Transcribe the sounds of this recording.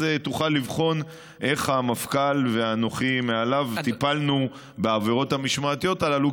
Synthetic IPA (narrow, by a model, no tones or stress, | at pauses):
et̪uχalːivχo̞n | ʔe̞χhamafkalveano̞χimealavt̪ipalnu | beaveʁo̞t̪hamiʃmaːt̪ijo̞t̪alalu